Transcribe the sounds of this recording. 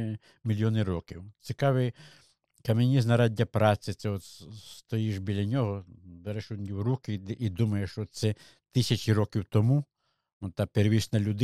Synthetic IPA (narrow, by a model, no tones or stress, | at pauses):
mʲilʲjɔnɪɾɔkʲiwt͡sʲikɑʋɪj | kɐmʲenʲiznɐɾɑdʲːɐpɾɑsɪt̪sɛɔt̪st̪ɔjiʒbʲilʲɐnʲɔɦɔb̪ɛɾɛʃud̪ʲnʲiwɾukɪid̪umɐjeʃt͡ʃɔsɛ | t̪ɪsʲɐt͡ʃʲiɾɔkʲiwt̪ɔmu | ɔt̪ɑpeɾʋʲit͡ʃnɐlʲʊd̪